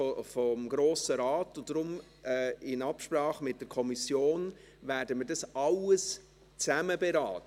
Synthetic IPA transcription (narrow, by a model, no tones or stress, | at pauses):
fɔmɡɾoːsəɾaːtʊnd̥ɾʊm | ɛɪnɑpʃprɑːχmɪt̚d̥ɛɾkʰɔmisjoːn | væːɾdəməːɾdɑsɑləs | t͡sæməbɛɾaːt